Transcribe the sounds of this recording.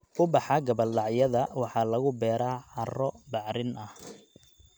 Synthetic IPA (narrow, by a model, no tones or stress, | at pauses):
ʔʊbɑħɑɡɐbɐllɑʕjɐðɐwɑħɑːlɐɣʊbɛːɾaːħɑrɔbɑʕɾɪnʔɐh